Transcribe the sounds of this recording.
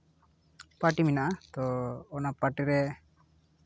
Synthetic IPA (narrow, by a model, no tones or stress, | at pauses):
paʈiminaʔat̪ɔːnapaʈiɾɛ